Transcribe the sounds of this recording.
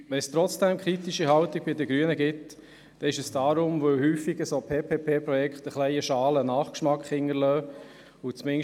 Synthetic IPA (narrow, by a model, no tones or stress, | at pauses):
ʋɛnst̪ɾɔt͡sd̥ɛmkʰɾitiʃiɦɑltɪɡ̥̚bidəɡɾyənəɡɪt | d̥ɛɪʃəsd̥ɑːɾʊmʋɵwhyːfːiɡəsoːpʰeːpʰeːpʰeːpɾɔjɛkχt̪əχlɛɪəʃɑːlənɑːχkʃmɑkχɪŋːəɾlœː | ʊt͡smɪŋ